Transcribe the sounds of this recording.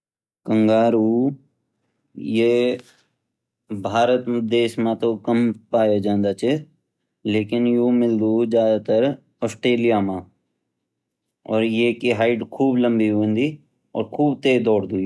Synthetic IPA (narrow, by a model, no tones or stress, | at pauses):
kə̃ŋɡaːɾu | je | bʱaːɾət̪md̪eːsmãt̪okəmpaːjod͡ʒãːnd̪aːt͡ʃʰe | leːkɪnjumɪld̪uzjaːd̪aːt̪əɾ | ɔːsʈɾeːlijamãː | ɔːɾjeːkiɦaːɪʈkʰuːblə̃mbiɦuə̃nd̪iː | ɔ̰ːɾkʰuːbt̪eːd̪ɔːɽd̪uː